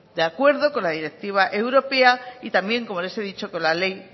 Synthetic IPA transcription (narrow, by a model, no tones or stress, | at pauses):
d̪eakwe̞ɾðo̞ko̞nlaðiɾe̞k̚t̪iβ̞aʔe̞wɾo̞pe̞ait̪ambje̞ŋko̞mo̞le̞seðit͡ʃo̞ko̞nlale̞j